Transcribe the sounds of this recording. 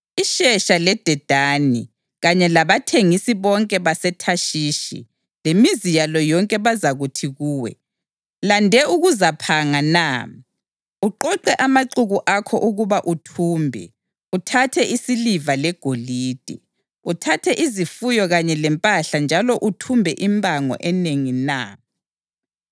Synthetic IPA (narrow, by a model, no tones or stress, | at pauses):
iʃɛʃalɛd̥ʱɛd̥ʱani | ɣaɲɛlaβatʰeŋisiβɔŋkʼɛβasɛtʰaʃiːʃḭ | lemizijalɔjɔŋkʼɛβazaɣutʰiɣuːwɛ̰ | landʱɛuɣuzapʰaŋana | uǃɔǃɛʔamaǃuɣuʔakʰɔ̰ʔuɣuβaʔutʰuːmbʱɛ̰ | utʰatʰɛʔisilivalɛɡ̥ʱoliːd̥ʱɛ̰ | utʰatʰɛʔizifujɔɣaɲɛlɛmpʼaɬand͡ʒʱalɔʔutʰumbʱɛʔimbʱʼaŋɔ̰ʔɛneŋina